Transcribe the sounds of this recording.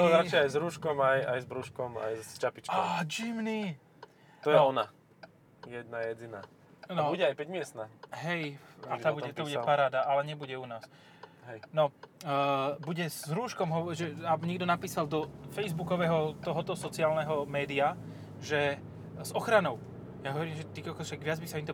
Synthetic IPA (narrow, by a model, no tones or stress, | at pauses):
t̪ɔzɾat͡ʃɪɛajzɾuːʃkɔmajajzbɾuʃkɔma̰jst͡ʃapit͡ʃkaːd͡ʒimni | t̪ɔjɛɔna | jɛd̪̚najɛd͡zina | nɔbuɟɛajpɛɟmɪɛst̪naɦɛjat̪abuɛt̪ɔbuɟɛpaɾaːd̪aʔalɛɲɛbuɟɛunaːs | ɦɛjnɔ | buɟɛzɾuːʃkɔmɦɔʋɔʒɛabɲɛɡd̪ɔnapiːsald̪ɔfɛjzbukɔʋɛːɦɔt̪ɔɦɔt̪ɔsɔt͡sɪaːlnɛɦɔmɛːd̪ia | ʒɛ | zɔxɾanɔʊ | jaɦɔʋɔɾiːmʒɛt̪ikɔkɔʃaɡʋɪad͡zbisaimt̪ɔ